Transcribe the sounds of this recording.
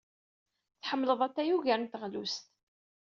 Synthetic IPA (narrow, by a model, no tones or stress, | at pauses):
θħəmːləðˤæt̪ːæjuʝænnt̪əʁlust̪